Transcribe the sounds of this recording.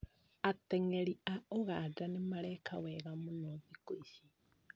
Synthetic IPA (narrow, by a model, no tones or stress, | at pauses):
ateŋeliaoɣadanimaleːkʰaweɣamunoðikoisi